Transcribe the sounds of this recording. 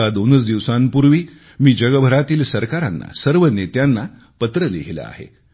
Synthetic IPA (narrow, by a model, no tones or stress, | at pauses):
ad̪onət͡sd̪iʋsampuɾʋiː | miːd͡ʑəɡəbʱəɾat̪iːlsəɾkaɾa̰nːa̰səɾʋənet̪janːa | pət̪ɾəlḛɦilə̰a̰ɦḛ